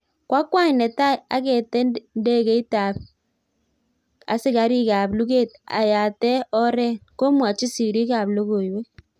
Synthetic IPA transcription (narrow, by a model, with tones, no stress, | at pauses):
kwa˦kwa˦ɲnɛ˨ta˦a̰˨˦kɛ˨tɛ˦nde˦ɣe˦i˦ta˨p̚ | a̰˨sɪ˦ka˨ɾi˦ka˨blu˦ɡeː˦˨t̚a̰˨ja˨tɛ˦ɔ˦ɾɛ˦ko˦mwa˨t͡ʃi˦si˨ɾi˦ka˨blo˦ɣo˨i˨we˦